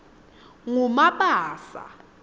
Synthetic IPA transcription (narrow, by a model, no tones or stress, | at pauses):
ŋumaɓaːsa̰